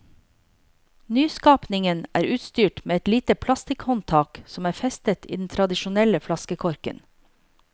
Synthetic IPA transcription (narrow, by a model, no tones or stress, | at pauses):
nyːskɑːpnɪŋənʔæ̰ːɾʉːt̪st̪yːʈmeːɛt̪liːt̪əpʰlɑst̪ɪkhɔnt̪ʰɑːksɔmæːɾfɛst̪ət̪ḭːd̪n̩t̪ʰɾɑd̪ɪʃʊnɛləflɑskəkʰɔɾkə̰n